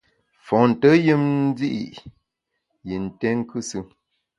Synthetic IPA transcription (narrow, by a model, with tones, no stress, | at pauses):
fɔ̃˨n̩˨tə˦jə˦mn˦d͡zi˦ʔḭ˨ | ji˨n̩˨tɛ˦ŋ˦kɨ˦sɨ˦